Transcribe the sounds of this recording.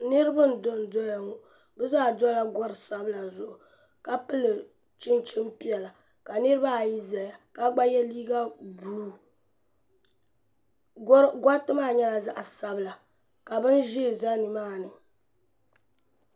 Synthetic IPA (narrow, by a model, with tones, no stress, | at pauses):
nɨ˦ɾɨ˦bɨ˦n̩˨do˦n˨dɔ˦ja˨ŋo˦ | bɛ˦za˦˨dɔ˦la˦ɡɔ˦ɾɨ˨sa˦bɨ˦la˨zʊ˨ʔʊ˨ | ka˦pɨ˦lɨ˨ | t͡ʃɪ˦nt͡ʃɪ˦mpi˦ɛ˨la˨ | ka˨nɨ˦ɾɨ˦ba˦˨ji˦za˨ja˨ka˦ɡ͡ba˦jɛ˦liː˦ɡa˦bu˨lu˦ | ɡʷa˦tɨ˦maː˦˨ɲɛ˦la˨za̰˦ʔa˨sa˦bɨ˨la˨ | ka˨bɨ˦n˦ʒɪ˦˨za˦nɨ˨maː˦˨nɨ˨